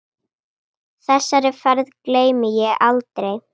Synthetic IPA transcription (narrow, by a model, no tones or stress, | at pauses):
θɛsːaɾɪfɛɾðkleːjmɪjɛɣalt̪ɾej